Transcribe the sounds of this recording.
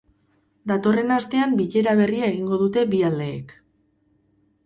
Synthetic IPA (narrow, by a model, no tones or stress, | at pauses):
d̪at̪o̞re̞nast̪e̞ambiʎe̞ɾaβ̞e̞riaeɣ̞iŋɡo̞ðut̪e̞biald̪e̞̰ːk